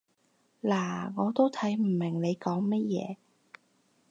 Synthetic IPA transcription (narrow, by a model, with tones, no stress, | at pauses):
laː˨˩ŋɔː˨˧t̪o˥wt̪ʰɐ˨˥jm̩˨˩mɪ˨˩ŋne˨˧jkɔː˨˥ŋmɐ˥t̚jɛ̰ː˨˧